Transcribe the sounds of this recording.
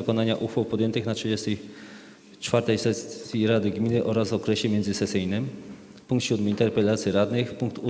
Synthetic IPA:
kɔnaɲaʔuxfawpɔd̪jɛnt̪ɘxnatʂɘd͡ʑɛst̪ɛj | t͡ʂfaɾt̪ɛjsɛsʲjiɾad̪ɘɡmʲinɘʔɔɾazɔkɾɛɕɛmʲjɛnd̪zɘsɛsɘjnɘm | puŋkt̪ɕud̪mɘint̪ɛɾpɛlat̪sʲjiɾad̪nɘxpuŋk̚t̪u

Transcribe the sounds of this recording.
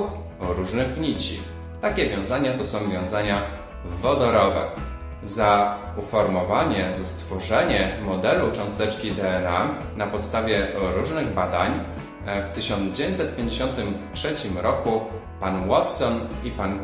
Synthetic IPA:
x | ɾuʐnɘxɲit͡ɕḭ | t̪akʲɛvʲjɔ̃w̃zaɲat̪ɔsɔ̃w̃vʲjɔ̃w̃zaɲa | vɔd̪ɔɾɔvɛ̰ | za | ufɔɾmɔvaɲɛzast̪fɔʐɛɲɛmɔd̪ɛlut͡ʂɔ̃w̃st̪ɛt͡ʂkʲid̪ɛɛna | napɔt̪st̪avʲjɛɾuʐnɘɣbad̪aɲ | ft̪ɘɕɔnd̪zd͡ʑevʲẽɲt̪ʲsɛt̪̚pʲjeɲd͡ʑeɕɔnt̪ɘmtʂɛt͡ɕimɾɔku | panwɔt̪sɔnipan

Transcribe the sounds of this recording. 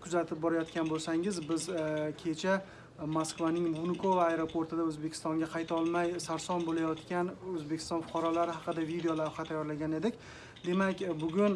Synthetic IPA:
kʰʊzat̪ʰɪp̚bɒɾajɒt̪kʲanbolˠsaŋɪzbɪzkʲʰe̞t͡ʃʰa | moskvanɪŋmunʊkʰovaajɾopʰoɾt̪ɪd̪aɵzbe̞kʲʰɪ̥st̪ɒŋɡʲaqʰɑjt̪ʰɒlˠmajsaɾsɒnbolajɒt̪kʲanɵzbekʲʰɪ̥st̪ɒnfʊ̥qʰɑɾɒlaɾɪɦɑqɨd̪avid̪ejolavhat̪ʰajːɒɾlaɡʲane̞d̪ɪkʲ | d̪e̞makʲbʊɡʲʊn

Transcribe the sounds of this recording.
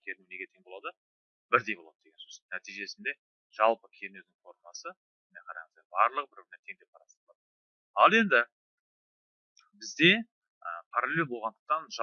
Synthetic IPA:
kʲʰeɾnune̞ɡʲe̞t̪ʰe̞ŋbo̞lˠɑd̪ə | bɪɾd̪e̞jbo̞lˠɑd̪əd̪e̞ɡʲensosnæt̪ijʒe̞sɪnd̪e̞ | ʒ̥ɑlˠpəkʲʰenezd̪ɪŋfo̞ɾmɑsə | nejqʰɑɾɑ̰ɴzd̪ɑjbɑɾlˠəq̚bɪɾbɪɾnet̪ʰe̞ŋd̪epʰɑɾɑslˠɑd̪ | ɑlˠe̞nd̪ɪ | bɪzd̪e̞ | əpʰɑɾaleebo̞lˠʁɑnd̪ə̥q̚t̪ɑnʒɑ

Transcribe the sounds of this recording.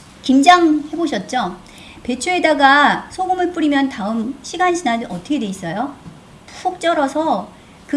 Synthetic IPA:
kimd͡ʑaŋhe̞boɕʰʌt̚t͡ɕ͈o | pe̞t͡ɕʰuedaɡasʰoɡomɯɭp͈uɾimjʌntaɯmɕʰiɡanɕʰinadɯʌt͈ʰʌkʰe̞dwe̞is͈ʌjo | psʰok̚t͡ɕ͈ʌɾʌsʰʌ | kɯ

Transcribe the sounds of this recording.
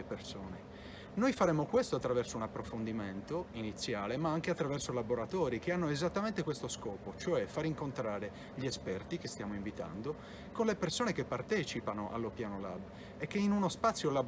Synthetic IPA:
epersoːne | nojfaɾɛmːokwest̪oat̪ːɾavɛrsounapːɾofond̪iment̪oinit̪sːjaːlemaaŋkeat̪ːɾavɛrsolaboɾat̪ɔːɾikeanːoezat̪ːament̪ekwest̪oskɔːpot͡ʃoɛfaɾiŋkont̪ɾaːɾe | ʎiɛspɛrt̪ikest̪jaːmoiɱvit̪a̰nd̪o | konlepersoːnekepːart̪ɛːt͡ʃipanoʔa̰lːopjaːnola̰b | ekːeinunospat̪sːjolab

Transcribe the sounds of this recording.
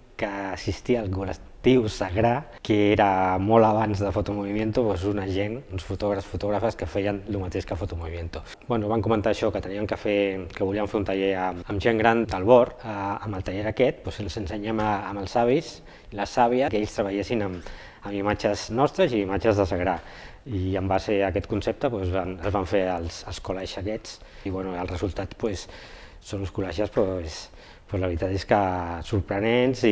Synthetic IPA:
kəːsist̪iəːlˠkuləkt̪iwsəɣɾa | keeɾəmɔləβanzðəfut̪umuβimjent̪upwezunəʒenunsfut̪ɔɣɾəfsfut̪uɣɾafəskəfɛjənlumət̪eʃkəfut̪umuβimjent̪u | bwɛnuβaŋkumənt̪aːʃɔkət̪əniəŋkəfekəβuliəmfeunt̪aʎeɾəməmʒeŋɡɾand̪əlˠβɔɾəəməlˠt̪əʎeɾəkɛt̪̚pwesənsənsəɲɛməːməlˠzaβis | iləsːaβiəkeʎst̪ɾəβəʎesinəm | əmimat͡ʃəznɔst̪ɾəziːmat͡ʃəzðəsəɣɾa | iəmbaseəkɛt̪kunsep̚t̪əpwezβanəzβaɱfeəlˠsəlˠskulaʃəkɛt͡s | iβwɛnuəlˠrəzulˠt̪at̪pwesː | onuskulaʒəspɾoes | pwezləβɾit̪at̪eskəsuɾpɾənenzi

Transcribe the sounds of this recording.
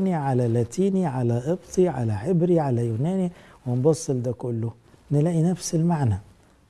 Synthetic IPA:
niʕalalaːt̪ʰiːniʕalaʔɨbt̪ˤiʕa̰laħɪbɾiʕalajuːnæːniwɪnbɑsˤːɨld̪akʊlːʊ | nɪlaːʔinafsɪlmaʕna

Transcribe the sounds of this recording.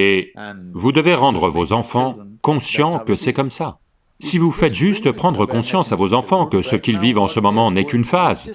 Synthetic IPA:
evud̪əveʁɑ̃d̪ʁəvozɑ̃fɑ̃kɔ̃sjɑ̃kəsɛkɔmsa | sivufɛt̪ʒyst̪pχɑ̃d̪ʁəkɔ̃sjɑ̃savozɑ̃fɑ̃kəsəkʲilvivɑ̃səmɔmɑ̃nɛkynfaz

